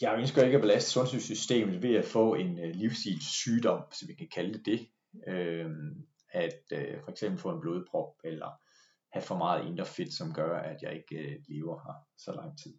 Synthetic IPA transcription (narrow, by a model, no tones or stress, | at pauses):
jɑønsɡ̥ɒe̝ɡ̥æb̥e̝læsd̥ə̥sɔ̽nsysysd̥e̝̰ːmð̩ˠʋe̝æfɔ̰̽ːe̝nliʊsd̥ḭːlsyːd̥ɒ̽m̰sɒ̽mjikʰækʰæld̥e̝d̥e̝ | ø | æd̥øfɒ̽eɡ̥semb̥l̩fɔ̰̽ːe̝nb̥lo̝ːð̞ˠb̥ʰʁɒ̽b̥̚elɐ | hæfɒ̽mɑ̈ːð̩ˠe̝nd̥ɐfe̝d̥sɒ̽mɡ̥ɶɐæd̥jɑ̈ɪe̝ɡ̥əle̝ːʊɐhɑ̈sɒ̽lɑ̈ŋ̰t͡sʰið̰ˠ